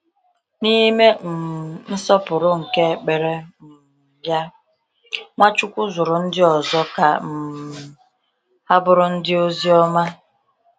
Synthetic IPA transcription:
ni˦me˦m̩˨n̩˦sɔ˦pʊ˨ɾʊ˦ŋ̩˨ke˦˨k͡pe˨ɾe˦m̩˨ | ja˦ | ŋʷa˦t͡ʃʊ˦kʷʊ˦zʊ˨ɾʊ˨n̩˦dɪ˦ɔ˨zɔ˦ka˨m̩˨ | a˦bʊ˦ɾʊ˦n̩˦dɪ˦o˦zi˦ɔ˦ma˦

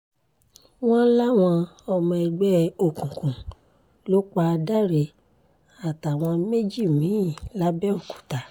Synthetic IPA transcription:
w̃ɔ̃˦la˦w̃ɔ̃˧ɔ˧mɔ̃˧ɛ˧ɡ͡bɛ˦o˦˨kũ˨kũ˨ | lo˦k͡pa˧da˦ɾe˧˨ | a˨ta˨w̃ɔ̃˧me˦d͡ʒi˦˨mĩ˨˦ĩ˦˨la˦bɛ˦o˦˨kũ̥˨ta˨˦

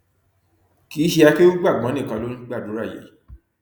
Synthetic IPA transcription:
kiː˨˦ʃi˧a˧ke˦u˦ɡ͡ba˦˨ɡ͡bã˨˦nĩ˦˨kã˧lo˦nĩ˦ɡ͡ba˦˨du˨˦ɾa˦˨jḛ˨˦

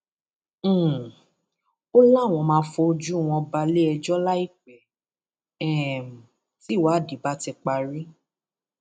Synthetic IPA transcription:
o˦la˦˨w̃ɔ̃˧mãː˧˦fo˧o˧d͡ʒu˦˨w̃ɔ̃˧ba˧le˦ɛ˧d͡ʒɔ˦la˦i˦˨k͡pɛ˨˦ | ɛ˨m˨ | ti˨˦˨wa˨˦˨di˨˦ba˦tɛ˧k͡pa˧ɾi˦

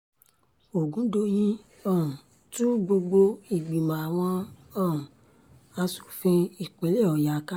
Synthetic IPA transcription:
o˨ɡũ˨˦do˦jĩ˦ | ɔ̃˦˨ | tũ˦ɡ͡bo˧ɡ͡bo˧i˨ɡ͡bi˨mã˨a˨w̃ɔ̃˧ɔ̃˦˨ | a˧su̥˨fĩ˧i˨k͡pe˨˦le˦˨ɔ˨ja˨˦ka˦

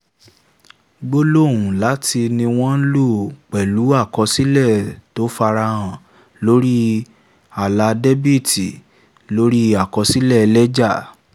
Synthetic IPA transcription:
ɡ͡bo˦lo˦˨wũ˨la˨˦ti˧nĩ˧w̃ɔ̃˦n̩˦lo˦˨k͡pɛ˨lu˨˦a˦˨kɔ˧si˦lɛ˦˨to˨˦fa˧ɾa˧hã˨ | lo˦ɾi˦ | a˨la˨˧de˦bi˦˨ti˨ | lo˦ɾi˦a˨kɔ˨˧si˦lɛ˦˨˧lɛ˦d͡ʒa˦˨

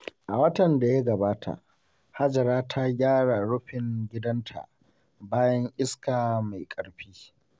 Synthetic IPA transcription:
ʔa˨wɐ˦tɐ˨nda˨ja˦ɡɐ˨baː˦tʰa̰˨ʔ | ha˦d͡ʒɐ˨ɾaː˦tʰa˦ɡʲaː˦ɽa˨ɽʊ˦ɸɪ˨ŋɡʲɪ˦dɐ˦ntʰa̰˨ʔ | baː˦jɐ˦ŋʔɪ˦skaː˨ma˨jkʼɐ˨ɽɸiː˦

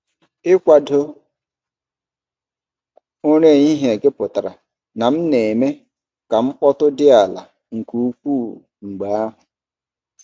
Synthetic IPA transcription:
ɪ˦kʷa˨dʊ˦ | o˦ɲe˦˨ɲi˦ɦe˨ɡe˦pʊ˨ta˨ɾa̰˨ | na˨m̩˦ne˨me˦ | ka˨ŋ͡m̩˦k͡pɔ˦tʊ˦dɪ˦a˨la̰˨ | ŋ̩˨ku˦u˦kʷu˦˨ | ŋ͡m̩˨ɡ͡ba˨˦a˦ɦʊ˨

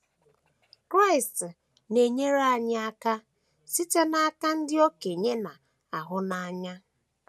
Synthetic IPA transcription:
kɾa˦ɪ˨st | ne˨ɲe˦ɾa˦˨ɲa˦a˦ka˦ | si˦te˦na˦a˦ka˦n̩˦dɪ˦o˦ke˨ɲe˦na˨ | a˨ɦʊ˦na˦˨a˦ɲa˦

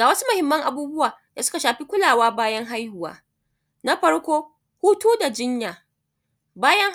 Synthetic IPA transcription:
aː˨wɐ˦su˦mʊ˨hɪ˨mːɐ˦ŋʔa˨buː˦bʊ˦waː˨d̥a˨sʊ˦ka˨ʃaː˨ɸi˦kʷʊ˦laː˨waː˦baː˦jɐ˦ŋɦa˦jhʊ˨wa̰ː˨ | na˦ɸɐ˦ɽkʷoː˦ | huː˦tuː˦da˨d͡ʒɪ˦ɲjaː˨ | baː˦jɐ˦ŋ

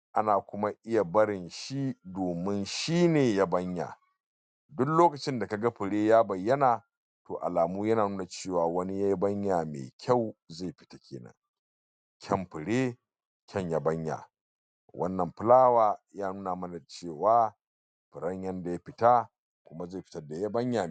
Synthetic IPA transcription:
ʔa˦naː˨kʷʊ˦ma˦ʔɪ˦ja˨bɐ˦ɾɪ˨nʃi˦doː˨mɪ˦nʃiː˦neː˨ja˦bɐ˦ɲja̰˨ | dʊ˦kloː˦kɐ˨t͡ʃɪ˦nda˨ka˨ɡa˦ɸɪ˨ɽeː˦jaː˦bɐ˨jːɐ˦naː˨ | to̰ː˨ʔa̰˨laː˨muː˦jɐ˦naː˨nuː˦na˨t͡ʃeː˦˨waː˨wɐ˦ni˦ja˦ji˦bɐ˦ɲjaː˨mḛː˨kʲʰa˦˨wza˦˨jɸɪ̥˨tḁ˦kʲʰḛː˨nɐ̰˦ŋ | kʲʰɐ˦mɸɪ˨ɽeː˦ | kʲʰɐ˦˨ɲja˦bɐ˦ɲja̰˨ | wʔɐ̰˦nːɐ˨mɸɪ˦laː˦waː˨jaː˦nuː˦naː˨mɐ˦na˨t͡ʃeː˦˨waː˦ | pɪ˨ɽɐ˦ɲjɐ˦nda˨ja˦ɸɪ˨ta˦ | kʷʊ˦ma˦za˦˨ɸɪ˨tɐ˦da˨ja˦bɐ˦ɲja˨

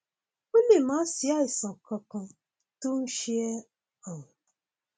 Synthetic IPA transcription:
e˦le˨m̩a˨˦sja˦i˨sɔ̃˨kɔ˨kɔ˨ | tu˦n̩˦ʃi˦e˦ | ɔ˨ŋʊ˨

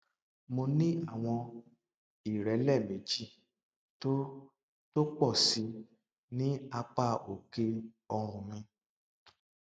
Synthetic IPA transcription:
mo˧nĩ˦a˦˨w̃ɔ̃˧ | i˨ɾɛ˨˦lɛ˦˨me˨d͡ʒi˦ | to˦ | to˦k͡pɔ˦˨si˨˧ | nĩ˦a˧k͡pa˦˨o˨ke˧ | ɔ˧ɾ̃ũ˨mĩ˧

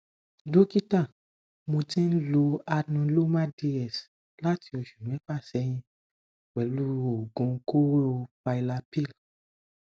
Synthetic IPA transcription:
do˦ki˦tã˦˨ | mõ˧tĩ˦n̩˦lo˧a˧nũ˧˦lo˦mã˦de˧ɛ˨s | la˦ti˧ɔ˧ʃũ˨nũ˨˦ɛ˦fa˦˨sɛ˨˦j̃ĩ˧ | wɛ˨˦lu˦o˨ɡũ˨˧˦ko˦ɾo˧fa˧i˧la˧pi˦˨l

